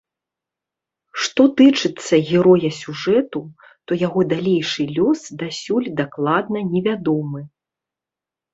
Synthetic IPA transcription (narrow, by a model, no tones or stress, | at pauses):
ʂt̪ɔt̪ɨt͡ʂɨt̪sːɐɣʲɛɾɔjɐsʲuʐɛt̪u | t̪ɔjaɣɔd̪alʲejʂɨlʲɔsd̪asʲulʲd̪aklˠad̪nɐnʲɛvʲad̪ɔmɨ